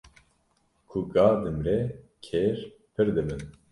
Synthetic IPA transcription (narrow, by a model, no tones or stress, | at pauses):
kʰuɡaːd̪ɨmɾɛkʰeːɾ | pʰɨɾd̪ɨbɨn